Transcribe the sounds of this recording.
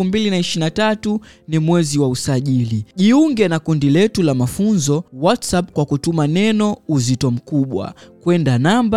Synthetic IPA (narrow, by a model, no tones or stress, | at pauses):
fumbilinaiʃinatatu | nimwɛziwausaʄiliʄiuŋɡɛnakundilɛtulamafunzɔwatsap̚kwakutumanɛnɔuzitɔm̩kuɓwa̰kwɛndanamba